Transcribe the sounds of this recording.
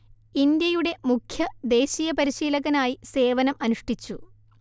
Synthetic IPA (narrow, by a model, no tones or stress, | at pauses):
ind̪jɐjuɽe̞mukʰjɐd̪e̞ːɕiːjɐpɐɾiɕiːlɐɣɐnaːjise̞ːʋɐnɐmɐnuʂʈit͡ɕːṵ